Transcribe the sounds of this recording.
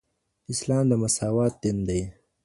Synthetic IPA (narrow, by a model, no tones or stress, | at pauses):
ɪslɑːmd̪əmɐsaːwɑːt̪̚d̪ind̪aj